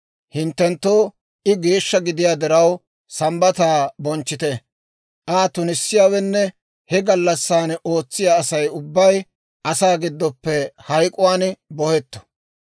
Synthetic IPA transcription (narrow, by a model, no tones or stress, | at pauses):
hɪnt̪ːɛnt̪ːoː | ʔɪɡeːʃːɐɡɪd̪ɪjaːd̪ɪɾɐw | sɐmbɐt̪aːbɔnt͡ʃːɪt̪eː | ʔaːt̪ʊnɪsːɪjaːwɛnːɛ | hɛɡɐlːɐsːaːno̞ːt͡sːɪjaːsɐjʊbːɐj | ʔɐsaːɡɪd̪ːɔpːɛhɐjkʼʊwaːnbɔhɛt̪ːɔ̥